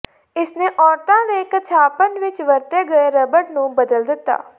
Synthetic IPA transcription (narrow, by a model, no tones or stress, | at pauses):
ɪsneːʔɔːɾt̪ãːleːkəɾt͡ʃʰaːpənʋɪt͡ʃʋəɾt̪eːɡəeːɾəbəʈnũːbəd̪əld̪ɪt̪ːa̰ː